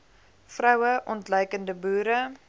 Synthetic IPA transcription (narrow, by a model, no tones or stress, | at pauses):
frœwəʔɔntlœɥkəndəbuːɾə